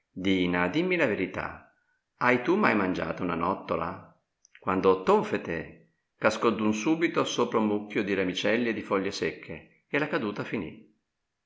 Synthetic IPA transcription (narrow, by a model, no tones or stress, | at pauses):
d̪iːnad̪imːilaveɾit̪a̰ | ajt̪umajmand͡ʒa̰ːt̪auna̰nɔt̪ːola̰ | kwand̪ot̪oɱfet̪e | kaskɔd̪unsuːbit̪osoːpɾaumːukːjod̪iɾamit͡ʃɛlːied̪ːifɔʎːesekʰːeː | lakad̪uːt̪afinḭ